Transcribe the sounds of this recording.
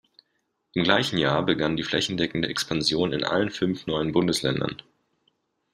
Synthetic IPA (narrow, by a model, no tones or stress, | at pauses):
ʔɪmɡlaɪçn̩jaːɐbəɡandiːflɛçn̩dɛkŋ̩dəʔɛkspʰanzjoːnɪnʔa̰lənfʏnfnɔʏənbʊndəslɛ̰ndɐ̰n